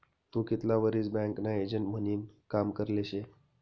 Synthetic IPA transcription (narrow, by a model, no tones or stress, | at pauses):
t̪ũkit̪laʋəɾiːt͡sbɛ̃ŋknaed͡ʑəɳʈm̤əniːnkamkəɾleɕe